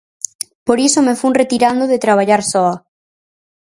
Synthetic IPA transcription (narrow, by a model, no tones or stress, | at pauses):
poɾisomefuŋret̪iɾand̪oðet̪ɾaβ̞aʎaɾsɔa